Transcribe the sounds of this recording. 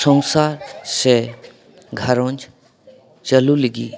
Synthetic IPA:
sə̃ŋsaːɾse | ɡʱɐɾõnt͡ʃ | t͡ʃəluliɡḭː

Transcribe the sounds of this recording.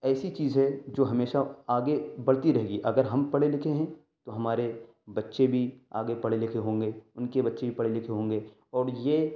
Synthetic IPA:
ɛːsit͡ʃiːzɦɛd͡ʒoːɦɐmeːʃaaːɡebɐɽt̪iɾɐɦeːɡiʔɐɡəɾɦɐmpɐɽelɪkʰeɦɛ̃ː | t̪oɦɐmaːɾe | bɐtːʃebʱia̰ːɡepɐɽelɪkʰeɦõːŋɡeːʊnkebɐtːʃebʱipɐɽelɪkʰeɦõːŋɡe | ɔːɾjeː

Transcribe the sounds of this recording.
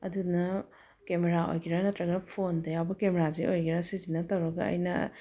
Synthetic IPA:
ɐ̰dunɐ | kemeɾaʔo̰jɡiɾanɐtɾɐɡɐpʰondɐjawbɐkemeɾaziʔojɡiɾasizinɐtɐwɾɐɡɐ̰ɐ̰jnɐ

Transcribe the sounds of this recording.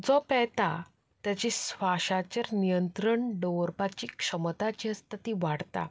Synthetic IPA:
d͡zɔpɛt̪a | t̪jat͡ɕisʋaɕat͡ɕəɾnijənt̪ɾəɳɖəʋəɾpat͡ɕiːkʂəmt̪at͡ɕiəst̪at̪iʋaɽt̪a̰

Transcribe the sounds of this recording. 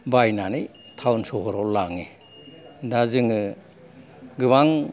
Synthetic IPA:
bajnani | tʰawnsɔhɔɾɔlaŋi | dazɯŋɯ | ɡɯβaŋ

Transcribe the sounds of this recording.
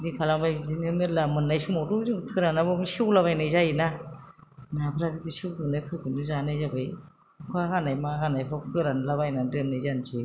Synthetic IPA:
dikʰalamajzinɯmelamɯnːajsumɔɾuzɯŋtʰɯɾanabɯmsiwlaβajnajzajina | napʰɯɾabidisiwdɯnajkʰɯkɯnuzanajzabaj | kʰɔaɡanajmaaɡanajpʰɔkʰɯɾanlaβajnadɯnːajzansʰi

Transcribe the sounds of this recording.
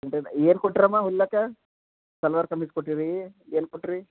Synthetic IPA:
eɳʈeneːnkoʈːɾɐmaɦulːɐkɐ | sɐlʋɐɾkɐmiskoʈːiɾieːnkoʈːiɾi

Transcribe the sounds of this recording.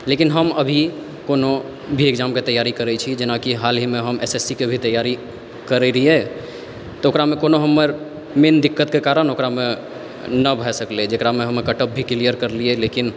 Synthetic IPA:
lekinɦəməbʱi | kono | bʱiekd͡ʒamket̪əjaɾikəɾɛt͡ʃʰid͡ʒenakiɦalɦimeɦəmesesikebʱit̪əjaɾi | kəɾɛɾijɛ | t̪ɔokɾamekonoɦəmːəɾ | mend̪ikːət̪kekaɾənokɾame | nəbʱɛsəkled͡ʒekɾameɦəmːekəʈəp̚bʱiklijəɾkəɾliɛlekin

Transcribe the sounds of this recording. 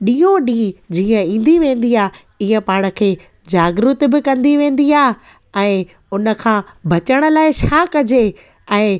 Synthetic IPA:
ɗiːoɗĩːd͡ʑiːə̃ĩːn̆d̪iʋẽːn̆d̪iaː | iːə̃paːɪɽ̃ə̆kʰeː | d͡ʑaːɡɾʊt̪̆bɪkɐ̃nd̪iʋẽːn̆d̪iaː | ɛ̃ː | ʊnə̆kʰãːbʱɐt͡ɕəɽ̃ə̆laːɪt͡ɕʰaːkɐd͡ʑe | ɛ̃ː

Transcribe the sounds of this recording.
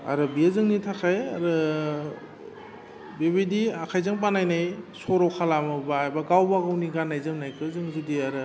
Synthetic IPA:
a̰ɾɯbiazɯŋnitʰakʰajaɾɯ | beβidiakʰajzɯŋp̬anajnajsɔɾɔkʰalamɯbaːjbaɡawbaɡawniɡanːajzɯmnajkʰɯzɯŋzɯdiaɾɯ

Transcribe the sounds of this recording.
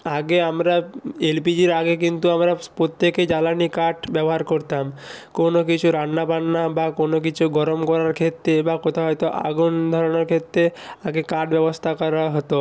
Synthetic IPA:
aɡeamɾaelpid͡ʑiɾaɡek̬int̪uamɾapot̪ːeked͡ʑalanikaʈbɛboɦaɾkoɾt̪amkonokit͡ɕʰuɾanːapanːabakonok̬it͡ɕʰuɡɔɾomkɔɾaɾkʰet̪ːɾebakɔt̪ʰaɦɔjt̪oʔa̰ɡund̪ʱɔɾonaɾkʰet̪ːɾeaɡekaɾʈbɛbost̪ʰakɔɾaɦɔt̪o

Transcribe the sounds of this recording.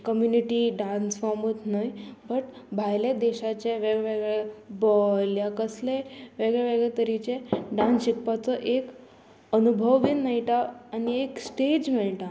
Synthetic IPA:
kəmjuniʈiɖansfamut̪najbəʈ | bʱajled̪eɕat͡ɕeʋeɡɭeʋeɡɭebɔljakəsleʋeɡɭeʋeɡɭet̪əɾit͡ɕeɖãnik̚pat͡sɔʔek | ənubʱəʋʋinːajiʈ̪aːnieksʈed͡ʑmɛɭʈa

